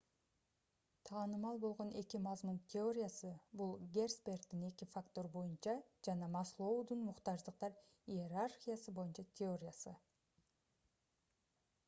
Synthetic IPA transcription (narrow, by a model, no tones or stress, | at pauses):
t̪ʰɑːnɯmɑlˠbo̞lˠʁo̞ne̞kimɑzmunt̪ʲʰeo̞ɾʲɪjasɯbulˠɡʲe̞rspʲe̞rt̪ːine̞kifakt̪o̞ɾbo̞junt͡ʃɑd͡ʒɑnɑmɑslˠo̞wd̪unmuqt̪ɑʒd̪əq̚t̪ɑɾ | ijeɾarχʲijasɯbo̞junt͡ʃɑt̪ʲʰeo̞ɾʲɪjasɯ